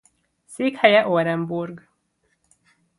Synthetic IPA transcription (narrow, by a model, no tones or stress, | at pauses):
seːkhɛjɛʔoɾɛmburɡ